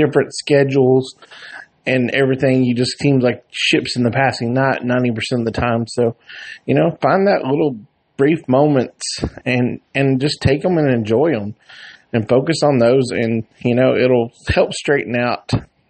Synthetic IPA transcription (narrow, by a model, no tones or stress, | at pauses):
d̥ɪfɹɨ̃ntskɛd͡ʒl̩ˠz̥ | ɨ̃nɛvɹiθɪ̃ŋjɨd͡ʒʌsĩmlaɪk̚ʃɪpsn̩ðɨpʰæsɪ̃ŋnəʔⁿnãɪ̃ñipə˞sɛ̃ñʌvðɨtʰãɪ̃msoʊjɨnoʊfãɪ̃nðɨʔlɪɾl̩ˠ | b̥ɹifmõʊ̃mɨ̃ntsɨ̃nɨ̃nd͡ʒʌstʰeɪkə̃mɨ̃nɨ̃nd͡ʒɔɪə̃mɨ̃nfoʊkɨsn̩ðoʊzɨ̰̃njɨnoʊʔɪɾl̩ˠhɛlˠpstɹ̥eɪʔn̩aʊt̚